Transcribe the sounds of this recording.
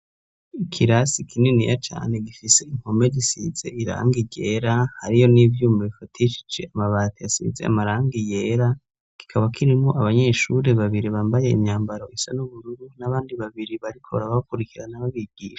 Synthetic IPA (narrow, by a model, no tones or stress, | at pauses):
ikʰiɾasikʰininijat͡ʃa̰ːne̞ɡifise̞iŋ̥home̞disiz̥e̞iɾa̰ːŋɡiɟeɾahaɾijo̞nivjuːmaβifatiʃi̥d͡ʒe̞amaβaːtijasḭze̞̰a̰maɾaːŋɡije̞ːɾa | ki̥kʰaβakʰiɾimŋoʔaβaɲe̞ʃuɾe̞βaβiɾiβaːmbaje̞imɲaːmbaɾo̞ʔisanuβuɾuɾunaβaːndiβaβiɾiβaɾikʰoβ̰aβaβakuɾikiɾanaβaβiɡiːʃḁ